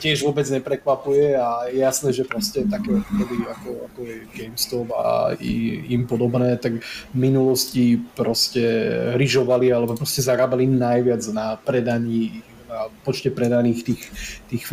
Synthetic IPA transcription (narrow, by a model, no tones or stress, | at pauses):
cɪɛʒʋɔbɛd͡zɲɛpɾɛkʋapujɛajɛjasnɛːʒɛpɾɔscɛt̪akɛːtk̪ɔdiakɔa̰kɔɛɡɛjmst̪ɔba̰ḭimpɔd̪ɔbnɛːt̪aɡminulɔscipɾɔscɛɾiʒɔʋalialɛbɔpɾɔscɛzaɾaːbaliːmnajʋɪad͡znapɾɛd̪aɲiː | napɔt͡ʃcɛpɾɛd̪aniːxt̪iːxt̪iːxf